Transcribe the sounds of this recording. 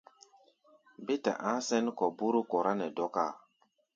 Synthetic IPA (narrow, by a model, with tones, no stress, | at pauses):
be˦ta̰˨ʔã˦sɛ˦nkɔ˨bu˦ɾu˦kɔ˨ɾa˦nɛ˨dɔ˦ka˦˨